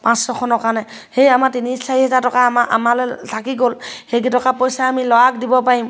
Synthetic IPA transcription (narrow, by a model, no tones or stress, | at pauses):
pãsɹɔkʰɔnɔkaɹnɛ | hejamatinisaɹiɦɛzatɔkamaʔa̰malɛtʰakiɡolhejɡitɔkapɔjsaamilɔwak̚dibɔpaɹim